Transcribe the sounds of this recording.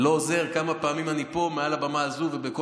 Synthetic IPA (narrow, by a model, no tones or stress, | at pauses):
looze̞ʁkamapaaːmimanipo̞mealabamaːzuvebeko